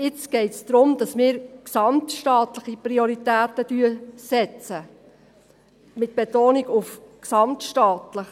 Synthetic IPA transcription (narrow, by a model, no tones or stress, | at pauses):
ɪt͡sɡ̥ɛɪtsd̥ɾʊmd̥ɑsmɪːɾksɑmtʃtɑːtləχiprioɾitæːtəd̥yəsɛt͡sə | mɪt̚b̥etoːniɡʊfksɑmtʃtɑːtləχ